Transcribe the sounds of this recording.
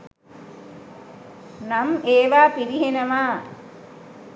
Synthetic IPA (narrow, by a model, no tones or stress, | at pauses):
nameːʋaːpiɾiɦenəʋaː